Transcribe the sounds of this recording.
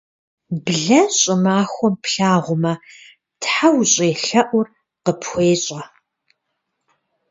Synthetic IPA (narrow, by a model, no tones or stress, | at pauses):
bɮɐɕʼɪmaːxʷɔmpʰɬaːʁʷʊmɐ | tħawɕʼeːɬɐʔʷʊr | qəpxʷeːɕʼɐ